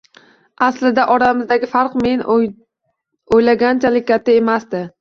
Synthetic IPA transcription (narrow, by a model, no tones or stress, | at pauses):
aslɪd̪aʔɒɾamɪzd̪aɡʲɪfaɾqme̞n | ojlaɡʲant͡ʃʰalɪk̚ʲɡʲat̪ʰːaemasd̪ɪ